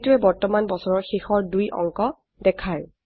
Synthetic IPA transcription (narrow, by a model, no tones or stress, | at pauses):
tuɹɛbɔɹtɔmanbɔsɔɹɔɹxixɔɹdujʔɔ̰ŋkɔ | dɛkʰaɹ